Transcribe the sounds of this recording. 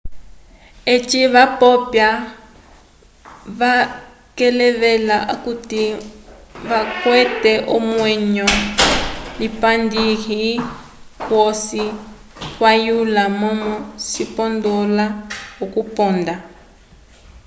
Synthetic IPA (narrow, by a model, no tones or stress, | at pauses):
et͡ʃiβapɔpja | βa | kɛlɛβɛlaʔakuti | βakwɛtɛʔɔmwɛɲɔ | lipandiɦi | wosi | kwajulamɔmɔsipɔndɔlaɔkupɔnda